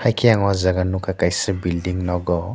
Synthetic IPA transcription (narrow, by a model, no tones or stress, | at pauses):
hajkʰijaŋɔzaɡanukʰakajsɯbildiŋnɔɡɔ